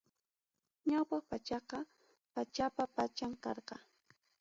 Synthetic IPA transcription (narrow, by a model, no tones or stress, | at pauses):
ɲawpɑχpat͡ʃɑqɑ | pat͡ʃapapat͡ʃaŋkɑɾqɑ